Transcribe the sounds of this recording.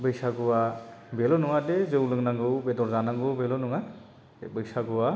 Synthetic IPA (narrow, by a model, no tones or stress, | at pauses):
bɯjsaɡɔwabelɔnɔŋadezewlɯŋnaŋɡɯwbedɔɾzanaŋɡɯwbelɔnɔŋa | bɯjsaɡɔwa